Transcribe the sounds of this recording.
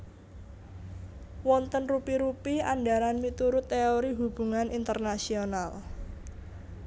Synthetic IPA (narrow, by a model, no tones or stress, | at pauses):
wɔnt̪ənrupiɾupia̰nɖaɾanmit̪uɾʊt̪ːeoɾiɦub̥ṳŋanint̪ərnasional